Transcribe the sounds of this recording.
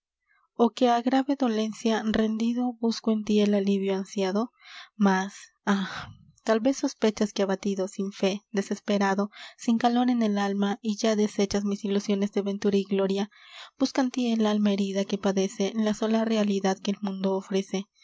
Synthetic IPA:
o̞ke̞aɣɾaβe̞ðo̞le̞nsjare̞nd̪iðo̞buskoent̪ielaliβjoansjaðo̞ | mas | ax | t̪alβe̞so̞spe̞t͡ʃaskeaβat̪iðo̞siɱfe̞d̪e̞se̞spe̞ɾaðo̞siŋkalo̞ɾe̞ne̞lalmaiʝaðe̞se̞t͡ʃasmisilusjo̞nezðeβe̞nt̪uɾaiɣlo̞ɾjab̥uskant̪ielalmae̞ɾiðake̞paðe̞selaso̞lare̞aliðaðke̞ːlmũnd̪oːfɾe̞se̞

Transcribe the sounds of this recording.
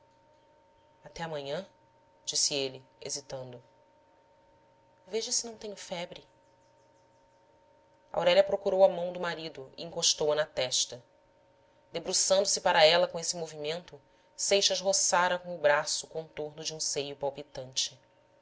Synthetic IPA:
at̪ɛɐmɐ̃ɲɐ̃ | d͡ʒisɪelɪḛzit̪ɐ̃nd̪ʊ | veʒɐsɪnɐ̃w̃t̪ẽɲʊfɛbɾɪ | ɐa̰wɾɛlʲɐpɾokuɾowɐmɐ̃w̃d̪ʊmaɾid̪ʊḭĩŋkoʃt̪owɐnɐt̪ɛʃt̪ɐ | d̪ebɾusɐ̃nd̪ʊsɪpaɾɐɛlɐkõesɪmovimẽnt̪ʊ | sejʃɐzɦosaɾɐkõʊbɾasʊkõnt̪oɾnʊd͡ʒɪũsejʊpawpit̪ɐ̃nt͡ʃɪ̥

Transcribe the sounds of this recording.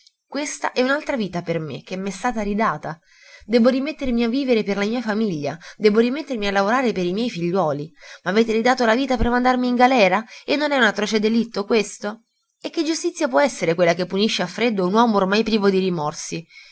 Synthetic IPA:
kwest̪a̰ʔɛunalt̪ɾaviːt̪apermḛk̟emːɛst̪aːt̪aɾid̪aːt̪a | d̪ɛːboɾimet̪ːermiavːiːveɾeperlamiːafamiʎːa̰d̪ɛːboɾimet̪ːermialːavoɾaːɾepeɾimjɛjfiʎːwɔːlimaːveːt̪eɾid̪aːt̪olaviːt̪apermand̪armiːŋɡalɛːɾaenːonɛunat̪ːɾɔːt͡ʃed̪elit̪ːokwest̪o | ekːed͡ʒːust̪it̪sjapwɔɛsːeɾekwelːakepːuniʃːeafːɾed̪ːounwɔːmoːrmajpɾiːvod̪iɾimɔrsi

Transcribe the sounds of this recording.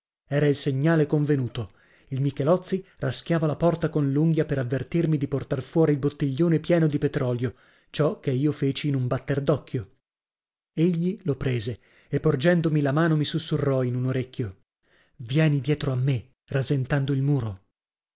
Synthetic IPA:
ɛːɾailseɲːaːlekoɱvenuːt̪o | ilmikelɔt̪sːirʔask̟jaːvalapɔrt̪akonluŋɡjapeɾavːert̪irmid̪iport̪arfwɔːɾilbot̪ːiʎːoːnepjɛːnod̪ipet̪ɾɔljo | t͡ʃɔkːeiːofeːt͡ʃiːnumbat̪ːerd̪ɔkːjo | eʎːilopɾeːze | epːord͡ʒɛnd̪omilamaːnomisusːurːɔinunoɾekʲːjo | vjɛːnid̪jɛːt̪ɾoamːe | razent̪and̪oilmuːɾo

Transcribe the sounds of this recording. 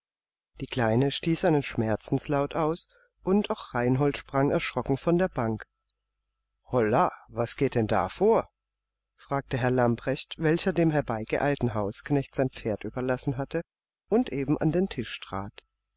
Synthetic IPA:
d̥iːkl̥aɪnəʃtiːsz̥aɪnənʃmɛɐt͡sn̩slaʊtaʊs | ʔʊntaʊxʁ̥aɪnɦɔltʃpʁ̥aŋɛɐʃʁ̥ɔkŋ̩fɔndeːɐbaŋk | hɔlavasɡ̥eːt̚d̥ɛnda̰ːfoːɐ | fʁ̥aːk̚təɦɛɐlampʁ̥ɛçtv̥ɛlçɐdeːmɦɛɐbaɪɡ̥əʔaɪltn̩ɦaʊsknɛçtz̥aɪnp͡feːɐtʔyːbɐlasn̩ɦatə | ʔʊntʔeːbm̩ʔa̰ndeːntʰɪʃtʁ̥a̰ːt

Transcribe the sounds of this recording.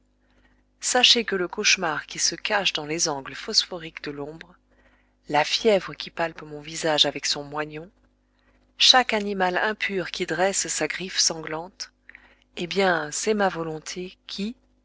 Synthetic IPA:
saʃekələkɔʃmaʁkʲisəkaʃd̪ɑ̃lezɑ̃ɡləfɔsfɔʁikd̪əlɔ̃bʁ | lafjɛvʁəkʲipalpmɔ̃vizaʒavɛksɔ̃mwaɲɔ̃ | ʃakanimalɛ̃pʰyʁkʲid̪ʁɛssaɡʁifsɑ̃ɡlɑ̃t̪ | ebjɛ̃sɛmavɔlɔ̃t̪ʰekʲʰi

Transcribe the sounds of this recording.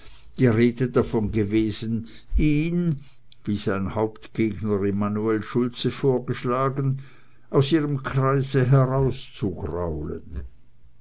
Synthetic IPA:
d̥iːʁeːdədafɔnɡəveːzən | iːn | viːzaɪnhaʊptɡ̥eːɡnəʁemanuɛlʃʊlt͡səfoːɐɡəʃlaːɡən | ʔaʊsiːʁəmkʰʁ̥aɪzəɦɛʁaʊst͡suɡra̰ʊlə̰n

